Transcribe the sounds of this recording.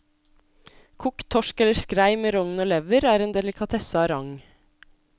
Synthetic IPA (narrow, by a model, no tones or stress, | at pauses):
kʰukt̪ʰɔʃkɛləskɾæɪmeːɾɔŋn̩oːlɛʋəɾæːɾeːnd̪ɛlɪkʰɑt̪ʰɛsɑɑɾɑŋ